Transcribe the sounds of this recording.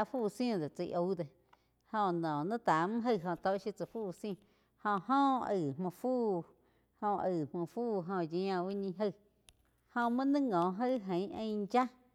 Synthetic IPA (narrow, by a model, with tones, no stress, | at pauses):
a˧fuː˧˨˧sj̃d̪e˨t͡sə˧ʔo˧˦d̪e˧ | hõ˧nɔ̃˨nə̃˦t̪a˨m̩̃˦ɦə˦˧˨ɦõ˧t̪o˧˦ʔʃji˧t͡sə˨fuː˦˧sĩ˦˧˨ | hõ˧ʔhɔ̃˦˧ə˨mmõ˧˨fuː˦˨ | hõ˧ə˨mõ˧˨fuː˦˨ɦõ˧jẽ˧ã˧wi˦ɲĩ˧ɦə˦˧˨ | hõ˧mã˦nɨ̃˦ŋɔ̃˨ɦə˦ɦə̃˨˦ʔə̃˧jd͡ʒa˦